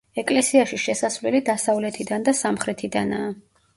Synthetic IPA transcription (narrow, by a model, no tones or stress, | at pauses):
ɛkʼlɛsiaʃiʃɛsasvlɛlid̪asavlɛt̪ʰid̪and̪asamχɾɛt̪ʰid̪anaː